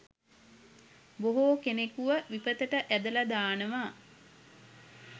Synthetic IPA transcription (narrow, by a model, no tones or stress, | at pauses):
boɦoːkenekuʋəʋipət̪əʈəʔæd̪əlad̪aːnəʋaː